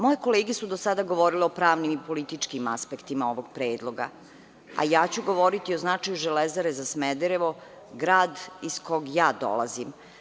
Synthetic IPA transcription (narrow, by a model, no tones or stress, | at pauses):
mojeko̞leːɡesud̪osad̪aɡo̞ʋo̞ɾileo̞pɾaːʋnimipolit̪it͡ʂkimaspekt̪imaoʋoɡ̥̚pɾeːd̪lˠo̞ɡa̰ | a̰jaːt͡ɕuɡo̞ʋo̞ɾit̪ioznat͡ʂajuʒelezaɾezasmed̪eɾeʋo̞ | ɡɾaːd̪iskoɡjaːd̪o̰la̰zim